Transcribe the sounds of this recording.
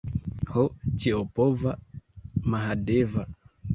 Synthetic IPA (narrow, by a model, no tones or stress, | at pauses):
hɔt͡ʃiɔpɔvamaɦadɛva